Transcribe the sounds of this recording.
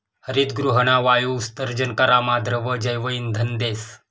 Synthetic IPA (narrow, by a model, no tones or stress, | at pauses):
həɾiːt̪ɡɾuɦəɳ̃aʋajuust̪əɾd͡ʒənkəɾamad̪ʱɾəʋəd͡ʒəjʋəiːnd̪ʱənd̪eːs